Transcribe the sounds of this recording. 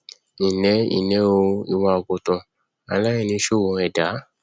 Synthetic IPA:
i˨nɛ˨˦ḭ˨nɛ̃˨˦o˧i˧wa˧o˧ko˧tɔ̃˧ | a̰˧la˦i˧nĩ˧˦ʃo˦˨wõ˧ɛ˨da˨˦

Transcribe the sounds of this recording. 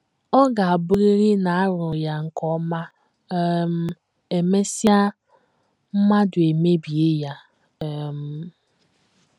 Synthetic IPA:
ɔ˦ɡa˨a˨bʊ˦ɣɪ˦ɾɪ˦na˨a˦ɾʊ˨ja˦ŋ̩˨kɔ˦ma˦ | m̩˦ | e˨me˦sja˦ | m̩˦ma˦dʊ˨e˨me˦bi˨e˦ja˦˨ | m̩˦

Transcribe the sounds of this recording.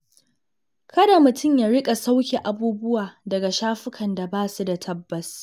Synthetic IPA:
kɐ˦da˨mʊ˨tʊ˦˨mjaː˦ɽɪ˦kʼa˨sa˦wkʲe˨ʔa˨buː˦bʊ˦waː˨dɐ˨ɡa˨ʃaː˦ɸɪ˦kʰɐ˨nda˨baː˦su˦da˨tʰɐ˦bːɐ˨s

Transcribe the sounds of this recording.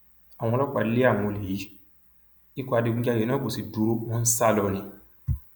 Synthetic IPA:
a˨wɔ̃˧lɔ˦k͡pa˧˨˦le˦a˦˨w̃ɔ̃˧˨le˨ji˨˦ | i˦kɔ˦a˧de˧ɡ͡bĩ˦d͡ʒa˦je˨˦nã˦ko˦˨si˨du˧˦ɾo˦wɔ̃˦n̩˦sa˦˨lɔ˧nĩ˧

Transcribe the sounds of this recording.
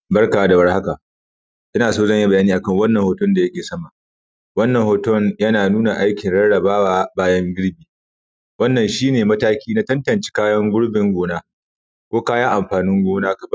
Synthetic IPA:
bɐ˦rka˨wa˦da˨wɐ˦rha˦ka˨ʔ | ʔɪ˦naː˨soː˦zɐ˦˨ɲji˦bɐ˨jaː˦niː˦ʔa˨kɐ˦˨ŋwɐ˦nːɐ˨ŋhoː˨tʊ˦nda˨jɐ˦kʲeː˨sɐ˦ma˨ | wɐ˦nːɐ˨ŋhoː˨tɔ˦˨ŋjɐ˦naː˨nuː˦na˨ʔa˦jkʲɪ˨nɽɐ˦ɽɐ˨baː˦waː˨baː˦jɐ˦ŋɡʲɪ˦ɽbiː˨ | wɐ˦nːɐ˨nʃiː˦neː˨mɐ˦taː˦kʲiː˦na˦tɐ˦ntɐ˨nt͡ʃe̥˦kaː˦jɐ˦ŋɡʷʊ˦ɽbɪ˨ŋɡʷoː˦naː˦ | kʷoː˦kaː˦jɐ˦ŋʔa˨mɸaː˨nɪ˦ŋɡʷoː˦naː˦kɐ˨bɐ˦

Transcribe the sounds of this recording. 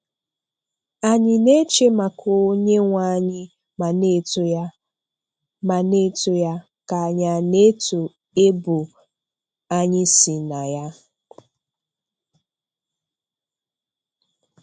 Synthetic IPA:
a˨ɲɪ˨ne˦t͡ʃe˦ma˨kʰo˨˦ɲe˦ŋʷa˦ɲɪ˦ | a˨ne˦ʊ˦ | ma˨ne˦tʊ˦ja˦ | ka˨ɲa˨ne˦tu˨ | e˦bʊ˨ | a˦ɲɪ˦si˨na˨ja˦

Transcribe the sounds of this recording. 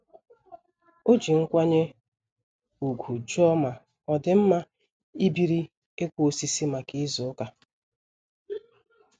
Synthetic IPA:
o˦d͡ʒi˨ŋ̩˦kʷa˦ɲe˦ | u˨ɡʷu˨d͡ʒɔ˦ma˨ | ɔ˨dɪ˨m̩˦ma˦ | i˦bi˨ɾi˦ | e˦kʷo˨si˦si˦ma˨ki˦zʊ˨ʊ˦ka˨

